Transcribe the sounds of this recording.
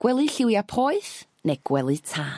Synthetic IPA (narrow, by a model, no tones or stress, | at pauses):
ɡ̥wɛlˠɨɬɪwjapʰoːɨθ | neɡ̥wɛlˠɨtʰaː